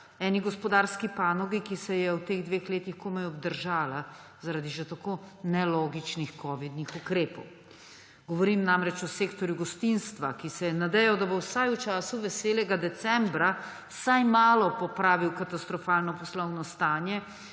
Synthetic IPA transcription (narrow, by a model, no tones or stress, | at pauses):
ɛːniɡɔspɔd̪aːɾskipaːnɔɡikisɛjɛwt̪eɣd̪ʋeːxleːt̪ixkoːmɛjɔbd̪əɾʒaːla | zaɾad̪iʒɛt̪akoːnɛloːɡit͡ʃnixkɔːʋid̪nixukɾeːpɔw | ɡ̥ɔʋɔɾiːmnamɾɛt͡ʃɔseːkt̪ɔɾjuɡɔst̪inst̪ʋa̰kisɛjɛnad̪ɛjɔd̪abowsajut͡ʃaːsuʋɛseːlɛɡad̪ɛt̪sɛmbɾa | sajmaːlɔpɔpɾaːʋiwkat̪ast̪ɾɔfaːlnɔpɔslɔwnɔst̪aːnjɛ